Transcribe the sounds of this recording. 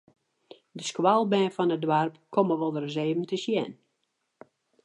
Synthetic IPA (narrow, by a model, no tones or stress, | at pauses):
dəskwalˠbɛːfɔnədwarpkʰoməʋɔlˠdərzeːvəntəsjɛn